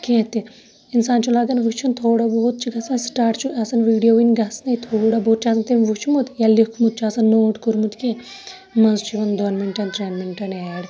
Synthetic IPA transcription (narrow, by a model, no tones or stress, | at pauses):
kẽt̪i | insaːnt͡ʃʰulaɡɐnʋut͡ʃʰunt̪ʰoːɽaboːt̪̚t͡ʃʰiɡɐsnɐsʈaːʈt͡ʃʰũʔɐsɐnʋiːɽijoʋinʲɡɐsnɐit̪ʰoːɽɐboːt̪̚t͡ʃʰaːsɐnt̪emʋut͡ʃʰmut̪jalikʰmut̪̚t͡ʃʰaːsɐnːoːʈkuɾmut̪kẽ | mɐzt͡ʃiʋɐnd̪ɔnminʈɐnt̪ɾeːnminʈɐnɛːɽ